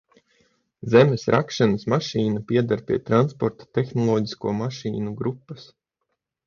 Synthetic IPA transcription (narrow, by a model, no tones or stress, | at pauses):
zɛmesɾʔakʃanɐsmaʃiːnapʲiɛd̪aɾpʲiɛt̪ɾanspɔɾt̪ḁt̪exnɔlˠɔːɟi̥skuːɔmaʃḭːnuɡɾupːɐs